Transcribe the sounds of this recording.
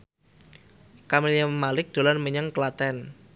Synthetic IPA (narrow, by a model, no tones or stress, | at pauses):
kameliammalɪk̚d̪̥o̤lanməɲəŋklat̪ɛn